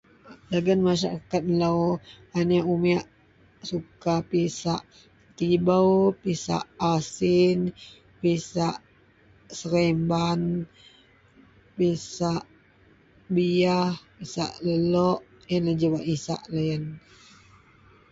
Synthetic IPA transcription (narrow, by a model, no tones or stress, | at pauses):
laɡənmaʃaɾakat̪̚law | anaʔumiaʔ | sukapisaʔ | t̪ibawpisa̰ʔasin | pisaʔ | səɾemban | pisaʔ | biahpisa̰ʔləlɔʔ | jənləd͡ʒəwaʔisa̰ʔləjən